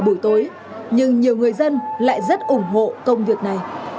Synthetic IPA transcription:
ɓu˧˩əjt̪o˨˦j | ɲɨ˧ŋɲi˨˩əwŋɨ˨˩əjzə˧nla̰ː˧˨jzə˦˥t̚ʔʊ˧˩ŋ͡mɦo̰˧˨kə˧wŋ͡mvi˨˩ək̚na˨˩j

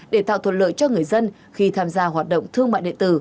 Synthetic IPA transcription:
ɗe˧˩t̪a̰ː˧˨wt̪ʰə˨˩t̚lə̰ː˧˨jt͡ɕɔ˧ŋɨ˨˩əjzə˧n | xi˧t̪ʰaː˧mzaː˧ɦwaː˨˩t̚ɗo̰˧˨wŋ͡mt̪ʰɨ˧əŋma̰ː˧˨jɗḭ˧˨ənt̪ɨ˧˩

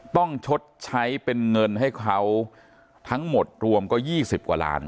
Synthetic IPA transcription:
t̪ɔ˥˩ŋt͡ɕʰo˦˥t̪̚t͡ɕʰa˦˥jpe˧nŋɤ˧nɦa˥˩jkʰa˦˥w | t̪ʰa˦˥ŋmo˨˩t̪̚ɾu˧əmkɔː˥˩jiː˥˩si˨˩p̚kwa̰ː˨˩la̰ː˦˥n

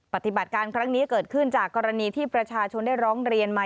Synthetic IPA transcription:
pa˨˩t̪i˨˩ba˨˩t̪̚kaː˧nkʰɾa˦˥ŋniː˦˥kɤː˨˩t̪̚kʰɯ˥˩nt͡ɕaː˨˩kːɔː˧ɾa˧niː˧t̪ʰiː˥˩pɾa˧t͡ɕʰaː˧t͡ɕʰo˧nda˥˩jɾɔː˦˥ŋɾi˧ənma˦˥

